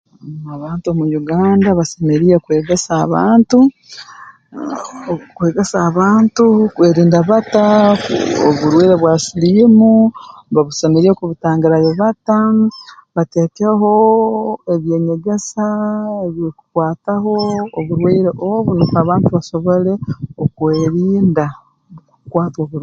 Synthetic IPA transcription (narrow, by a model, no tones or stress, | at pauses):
aβaːntuomujuɡaːndaβase̞meɾijekwe̞ːɡe̞saːβaːntu | kwe̞ːɡe̞saːβaːntukwe̞ːɾiːndaβata | o̰βuɾweːɾeβwasilimuβaβusemeɾijekuβutaːŋɡiɾajeβata | βate̞ːkeɦo̞ | e̞βje̞ːɲe̞ɡe̞saeβjoku̥kwaːtaɦo̞ːβuɾweːɾeʔoβuniːkuaβaːntuβaso̞βo̞le̞okweːɾiːnda | kukwaːtwoːβuɾ